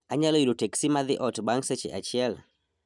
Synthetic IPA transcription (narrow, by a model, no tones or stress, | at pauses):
aɲalɔilutɛksimaðiʔɔtbaŋsɛt͡ʃɛ̰ʔa̰t͡ʃial